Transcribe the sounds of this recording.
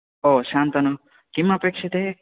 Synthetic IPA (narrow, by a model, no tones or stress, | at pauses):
oʃant̪ɐno | kimɐpekʃʰit̪e